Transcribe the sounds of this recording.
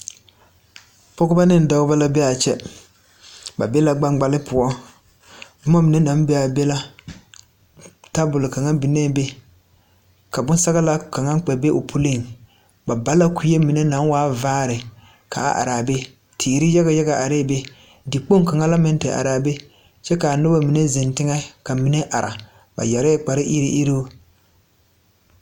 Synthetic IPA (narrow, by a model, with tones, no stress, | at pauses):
pɔ˦ɡʊ˦ba˦nɪ˦n˨da˦ʊ˦ba˦la˦bɛ˦a˨t͡ʃɛ˦ | ba˨bɛ˦la˦ɡ͡ba˦ŋɡ͡ba˦lɪ˦pʊ˨ɔ˦ | mɔ˦mi˨nɛ˦na˨˦m˦bɛ˦a˨bɛ˦la˦ | ta˦bʊ˨lɪ˨ka˨ŋa˦bi˨nɛ˦be˦ | ka˨bʊ˦n˦sa˦ɣa˦la˦ka˨ŋa˦k͡pɛ˨be˦ʔo˨pʰu˦lɪ˦˨ŋ | ba˨ba˦la˦ku˦je˦mi˨ne˦na˨˦ŋ˦waː˦vaː˦ɾɪ˨ | ka̰˨a̰˨ʔa̰˨ɾa˨be˦ | tʰiː˨ɾɪ˦ja˦ɣa˨ja˦ɡa˨ʔa˨ɾe˦˨be˦ | dɪ˨k͡po˦ŋ˦ka˨ŋa˦la˦mɛ˦n˦tɪ˨ʔa̰˨ɾa˨be˦ | t͡ʃɛ˦ka˨nʊ˦ba˦mi˨ne˦zɪ˨ntɪ˦ŋɛ˦ka˨mi˨ne˦ʔa˨ɾa̰˨ | ba̰˨ja˨ɾɛ˦k͡pa˨ɾɪ˦ʔi˦ɾi˦ʔi˦ɾo˦